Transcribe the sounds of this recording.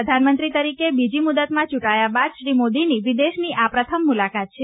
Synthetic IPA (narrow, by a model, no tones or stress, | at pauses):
əd̪ʱanmənt̪ɾit̪əɾikebid͡ʒimud̪ət̪mãt͡ʃuʈajabad̪ʃɾimod̪iniʋid̪eʃniʔapɾət̪ʰəmːulakat̪̚t͡ʃʰe